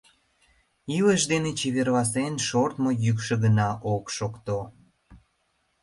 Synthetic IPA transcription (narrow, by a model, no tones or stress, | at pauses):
iləʃd̪enet͡ɕeβerβɑs̬enʃort̪mojykʃə̆ɣənɑʔokʃokt̪o